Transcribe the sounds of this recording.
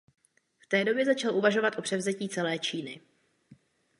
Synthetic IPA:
ft̪ɛːdo̞bjɛzat͡ʃalʔuvaʒo̞vat̪ʔo̞pr̥ɛvzɛciːt͡sɛlɛːt͡ʃiːnɪ

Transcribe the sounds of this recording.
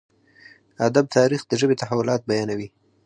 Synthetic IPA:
ad̪ab̚t̪ʰɑɾixd̪əʒəbet̪ahawʊlɑt̪̚bajɑnawi

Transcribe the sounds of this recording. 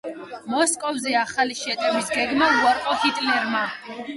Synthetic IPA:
mɔskʼɔvzɛaχaliʃɛt̪ʼɛmisɡɛɡmauaɾqʼɔhit̪ʼlɛɾma

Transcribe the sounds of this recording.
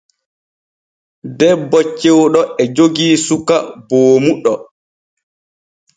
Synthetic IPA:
dɛbːɔt͡ʃːɛwɗɔɛd͡ʒoɡiːsukaboːmuɗɔ

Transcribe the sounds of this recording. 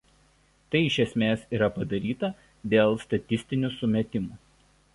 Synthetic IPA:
t̪ɐɪɪʃʲɛsʲmʲeːsiːɾɐpɐd̪ɐɾʲiːt̪ɐ | d̪ʲeːlˠst̪ɐt̪ʲɪsʲt̪ʲɪnʲuˑsʊmʲɛt̪ʲɪmuː

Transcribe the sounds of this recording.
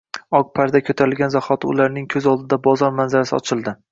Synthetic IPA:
ɒk̚pʰaɾd̪akʲʰɵt̪ʰaɾɪlɡʲanzaχɒt̪ʰɪʊ̰laɾnɪŋkʲʰɵzɒlˠd̪ɪd̪abɒzɒɾmanzaɾasɪ̰ɒ̰t͡ʃʰɪlˠd̪ɪ

